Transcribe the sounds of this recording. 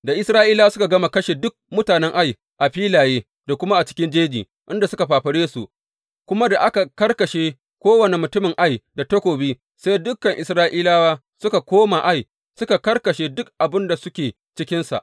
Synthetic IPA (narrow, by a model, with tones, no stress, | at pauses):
da˨ʔɪ˦sɾaː˦ʔiː˦laː˦sʊ˦ka˨ɡɐ˦ma˨kɐ˦ʃeː˨dʊ˦k̚mʊ˦taː˨nɛ˦ŋʔa˦j | ʔa˨ɸiː˦laː˨jeː˦ | da˨kʷʊ˦ma˦ʔa˨t͡ʃɪ̥˦kʲɪ˦nd͡ʒeː˦d͡ʒiː˨ | ʔɪ˦nda˨sʊ˦ka˨ɸaː˨ɸɐ˨ɽeː˦su˨ʔ | kʷʊ˦ma˦da˨ʔa˦ka˨kɐ˦rkɐ˨ʃeː˦ | kʷoː˦wɐ˨ne˨mʊ˨tʊ˦mɪ˨ŋʔa˦jda˨tɐ˦kʷoː˨biː˦ | sa˦jdʊ˦kːɐ˨ŋʔɪ˨sɾaː˦ʔiː˦laː˦waː˦ | sʊ˦ka˨kʷoː˦ma˨ʔa˦j | sʊ˦ka˨kɐ˦rkɐ˨ʃeː˦dʊ˦k̚ʔa˨bɪ˦nda˨sʊ˦kʲeː˨ | t͡ʃɪ˦kʲɪ˦nsa̰˨ʔ